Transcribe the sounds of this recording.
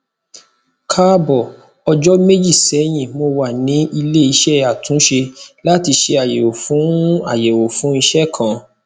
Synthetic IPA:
kʰa˦bɔ˦˨ | ɔ˧d͡ʒɔ˦me˦d͡ʒi˦˨sɛ˨˦j̃ĩ˦˨mo˧wa˦˨nĩ˨˦i˧le˦i˧ʃɛ˦a˨tũ˨˦ʃe˧la˦ti˧ʃe˧a˨je˨o˨fũ˨˦a̰˦˨je˨wo˨fũ˨˦i˧ʃɛ˦˨kʰã˦˨

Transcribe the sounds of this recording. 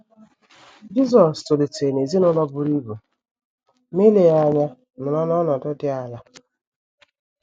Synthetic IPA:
d͡ʒi˦zɔ˨sto˨li˨te˨ne˨zi˦nɔ˦lɔ˦bʊ˦ɾi˦bu˨ | me˦le˨a˦ɲa˦ | m̩˨lɔ˦nɔ˦nɔ˨dɔ˦dɪ˦a˨ja˦

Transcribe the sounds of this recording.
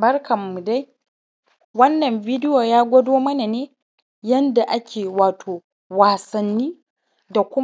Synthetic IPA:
bɐ˦rkʰɐ˨mːu˨da˦j | wɐ˦nːɐ˨mvi˦dɪ˦jo˨jaː˦ɡʷɐ˦doː˦mɐ˦na˨neː˦ | jɐ˦nda˨ʔa˦kʲʰeː˨waː˨tʰoː˨ | waː˨sɐ˨nːiː˦ | da˨kʷʊ˦

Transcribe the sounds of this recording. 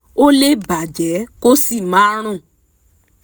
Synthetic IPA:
o˦le˦ba˨d͡ʒɛ˨˦ko˦si˦˨mã˨˦ɾ̃ũ˦˨

